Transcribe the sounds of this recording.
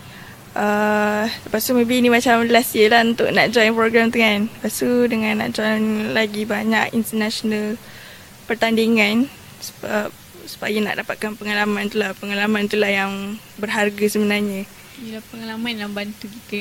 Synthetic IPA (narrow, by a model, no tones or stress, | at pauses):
ʔət̪əpast̪umẽbinimat͡ʃaməlasiəlahunt̪ʊʔna̰ʔd͡ʒɔjnpɾoɡɾamt̪uŋanəpast̪udəŋãnːa̰ʔd͡ʒɔjnlaɡibaɲakint̪ənasonal | pərt̪andiŋan | sə̥b | sə̥bajəna̰ʔdapat̪̚kanpəŋalamãnt̪ulahpəŋalamãnt̪ulahjaŋ | bərɦarɡasəbənarɲə | ilahpəŋalamãnlabant̪ukit̪ə